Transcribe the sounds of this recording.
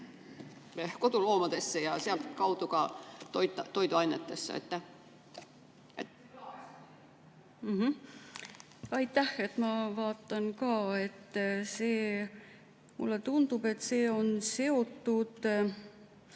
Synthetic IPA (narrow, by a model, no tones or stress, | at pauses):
kot̪uloːmɑd̪esːɑjɑseɑlt̪kɑwt̪ukɑt̪ojt̪ːɑt̪ːojt̪oɑjnːet̪ːesːɑ̰ḛt̪ːæ | e | m̩ɦ̩ | ɑjt̪ːæhe̞t̪mɑvɑːt̪ːˑɑnkɑːe̞t̪ːseː | mṵlːet̪und̪̥ub̥e̞t̪ːse̞ːo̞nse̞o̞t̪ːud̪̥